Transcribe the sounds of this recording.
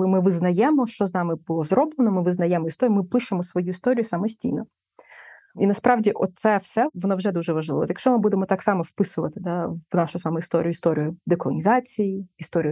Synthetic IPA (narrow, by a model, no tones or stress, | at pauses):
lˠɪmɪʋɪznɐjɛmɔʃt͡ʃɔznɑmɪbʊlˠɔzɾɔblˠenɔmɪʋɪznɐjɛmɔist̪ɔɾjmɪpɪʃemɔsʋɔjuist̪ɔɾʲijʊsɐmɔsʲtʲḭjnɔ | inɐspɾɑʋdʲiʔɔt̪sɛwsɛʋɔnɔwʒɛd̪uʒɛʋɐʒlˠɪ̰ʋɔ̰t̪jɐkʃt͡ʃɔmɪbud̪emɔt̪ɑksɑmɔfpɪsʊʋɐt̪ɪd̪ɑʋnɑʃʊzʋɑmɛist̪ɔ̰ɾʲijʊist̪ɔɾʲijʊd̪ekɔlˠɔ̰nʲizɑt͡sʲijiist̪ɔɾʲij